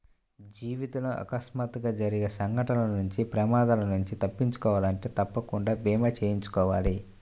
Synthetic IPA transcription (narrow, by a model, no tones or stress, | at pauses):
d͡ʒiːʋit̪ɐlɐʔɐ̰kɐsmaːt̪ɡaːd͡ʒɐɾiɡesɐŋɡɐʈɐlɐnuɲt͡ʃipɾɐmaːd̪alɐnuɲt͡ʃit̪ɐpːiɲt͡ʃu̥kɔːʋaːlɐɳʈeːt̪ɐpːɐkuɳɖaːbiːmɐt͡ʃeːjiɲt͡ʃu̥kɔːʋaːli